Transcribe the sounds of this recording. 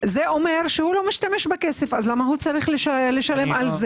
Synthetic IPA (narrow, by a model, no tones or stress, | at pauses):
zeʔo̞me̞ʁʃehulo̞miʃtameʃbeke̞se̞fazlamaɦut͡saʁiχleʃaleʃale̞malze